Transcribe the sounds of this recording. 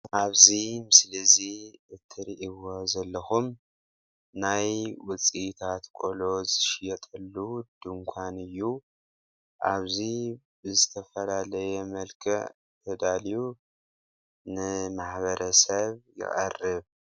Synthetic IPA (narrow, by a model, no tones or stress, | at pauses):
ʔaβzimɨslɨziɨt̪ʰːɨɾiʔiβo̞zɐlːɐxum | najwʊt͡sʼit̪ʰat̪kʼolo̞zɨʃjɛt̪ʼɐlːud̪̥ɨŋkʷʰanɨjːu | ʔa̰βzi | bɨzɨt̪ʰɐfɐlalɐjɛmɐlkʰɨʕ | t̪ʰɐd̪alju | nɨmaħβɐɾʔɐsɐβjɪ̰χʼɐ̰rːɨβ